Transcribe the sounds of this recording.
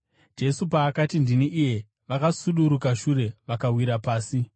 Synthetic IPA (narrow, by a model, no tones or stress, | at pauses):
d͡ʒe̞supaːkatindiniʔije̞ | ʋakasuɗuɾukaʃuɾe̞ʋakawiɾapaːsi